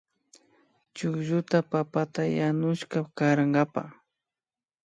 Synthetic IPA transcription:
t͡ʃʊkʒʊt̪apapat̪ajanʊʃkakaɾaŋɡapa̰

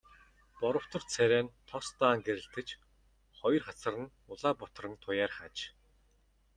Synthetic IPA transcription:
pɔɾɞ̆w̥t̪ʰɞ̆rt͡sʰæɾʲæːnt̪ʰɔst̪aːŋɡeɾɘ̆ɬt̪ɘ̆t͡ɕ | χɔjɞ̆rχat͡sə̆rə̆n | ʊɮaːpɔt̪̆rə̆nt̪ʰʊjaːrχat͡ɕ

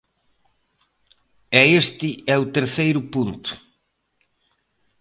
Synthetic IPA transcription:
ɛest̪ɪɛʊt̪eɾθejɾʊpunt̪ʊ̥

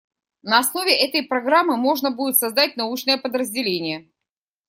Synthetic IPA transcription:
nəɐsno̞vʲɪʔɛt̪əjpɾɐɡɾamːɨmo̞ʐnəbudʲɪt̪sɐzd̪at̚ʲnɐut͡ɕnəjəpəd̪ɾəzʲdʲɪlʲenʲɪjə

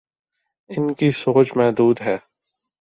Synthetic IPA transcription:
ɪnkisoːd͡ʒmɛɦd̪uːd̪ɦɛː

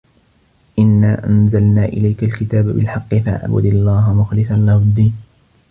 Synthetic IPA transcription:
ʔɪnːaːʔa̰nzalnaːʔɪ̰lajkalkɪt̪aːbabɪ̰lħɑqːɪfa̰ʔa̰ʕbʊ̰d̪alˤːɑːɦamʊxlɪsallahʊd̪ːiːn

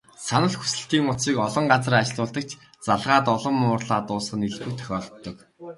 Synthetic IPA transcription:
sanə̆ɮxu̥sɘ̆ɬt̪iːŋʊt͡s̪ʃiːkɔɮɞ̆ɴɢat͡srat͡ɕ̆ɮʊːɮt̪ə̆k̚t͡ɕʰ | t͡saɮʁaːt̪ɔɮɞ̆mʊːrɮaːt̪ʊːsχə̆niɮpɘ̆k̚t̪ʰœ̥xʲɔːɮɞt̪ːɞ̆k

